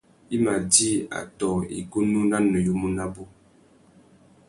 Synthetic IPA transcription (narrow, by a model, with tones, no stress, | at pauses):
i˦ma˨di˦a̰˨tɔ˨ḭ˨ɡo˦nu˦na˦nə˨jo˦mu˦na˦bo˦